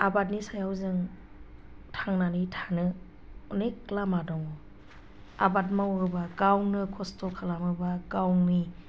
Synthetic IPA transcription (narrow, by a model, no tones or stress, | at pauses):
abat̚nisajawzɯŋ | tʰaŋnanɯtʰanɯ | ɔneklamadɔŋɔ | abat̬̚mawɯbakawŋnɯkʰɔstɔkʰalamɯbaɡawŋni